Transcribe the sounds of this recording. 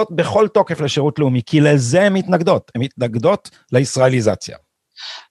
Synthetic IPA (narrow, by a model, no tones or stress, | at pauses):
ot̪̚be̞χo̞lt̪o̞ke̞fleʃeʁutleumikilezeemhit̪naɡd̪o̞t̪hemhit̪naɡd̪o̞t | leisʁaeliza̰t͡sja̰